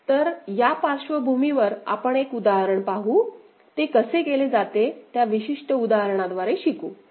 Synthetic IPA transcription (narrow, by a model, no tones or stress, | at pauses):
t̪əɾjapaɾɕʋəbʱumiʋəɾa̰pəɳekud̪aɦəɾəɳpaɦuː | t̪ekəsekeled͡zat̪et̪jaʋiɕiʂʈəud̪aɦəɾɳ̃ad̪ʋaɾeɕikuː